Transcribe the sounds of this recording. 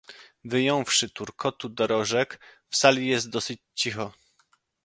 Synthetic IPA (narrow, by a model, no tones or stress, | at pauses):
vɘjɔ̃w̃fʂɘt̪uɾkʰɔt̪ud̪ɔɾɔʐɛkfsalʲijɛst̪̚d̪ɔsɘt͡ɕt͡ɕixɔ